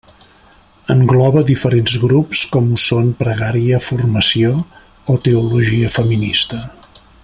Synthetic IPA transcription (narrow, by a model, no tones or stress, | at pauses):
əŋɡlɔβəðifəɾenzɣɾupskɔmusonpɾəɣaɾiəfurməsio | ot̪əuluʒiəfəminist̪ə